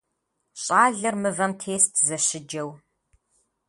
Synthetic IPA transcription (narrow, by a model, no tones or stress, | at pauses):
ɕʼaːɮɐrmɨvɐmtʰeːstʰzɐɕɪd͡ʒɐw